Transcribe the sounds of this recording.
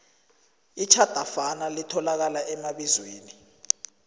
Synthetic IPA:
it͡ʃʰad̥ʱafanalitʰɔlak̬alaʔɛmaɓizweːni

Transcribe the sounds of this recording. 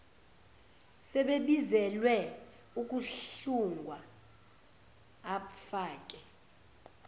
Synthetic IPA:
sɛɓeɓizɛlwɛ | ukʼuɬuŋɡʱwa | faːkʼɛ

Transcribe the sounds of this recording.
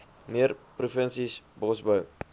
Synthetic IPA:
miərprufənsisbɔsbəw

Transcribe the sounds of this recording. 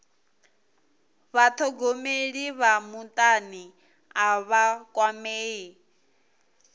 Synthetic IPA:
βat̪ʰɔɡomeɺiβamutʼani | aβakʼwameːi

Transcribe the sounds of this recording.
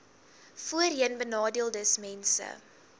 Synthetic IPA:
fuəriənbənɑːdiəlˠdəsmɛnsə̰

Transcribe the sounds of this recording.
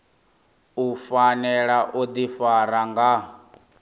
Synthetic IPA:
ufanɛɺaʔod̪ifaɾaŋɡa

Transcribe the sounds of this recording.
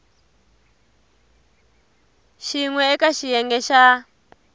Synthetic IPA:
ʃiŋwɛːkaʃijɛŋɡɛʃa

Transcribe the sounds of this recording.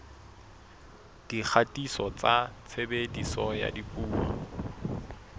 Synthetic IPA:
d̥ik͡xʰatʼisɔt͡sat͡sʰebedisɔja̰dipʼuːwɔ̰

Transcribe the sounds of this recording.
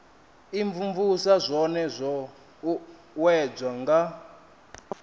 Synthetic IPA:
iɱvuɱvusazʷɔnɛzʷɔ | wɛd͡zaŋɡa

